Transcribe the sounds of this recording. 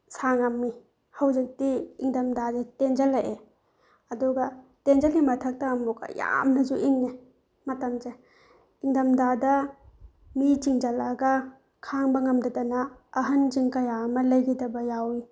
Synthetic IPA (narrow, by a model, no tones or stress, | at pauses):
saŋamːi | hɐwd͡ʒik̚tiiŋdɐmdazetend͡ʒɐlaje | ɐduɡɐtend͡ʒɐlimɐtʰɐk̚tɐːmbuka̰ja̰mnɐzuʔiŋni | mɐtɐmze | iŋdɐmdadɐ | mit͡ʃiŋd͡ʒɐlɐɡɐ | kʰaŋbɐŋɐmdɐdɐnɐːɦɐnd͡ʒiŋkɐjamɐlɐjɡidɐbɐjawi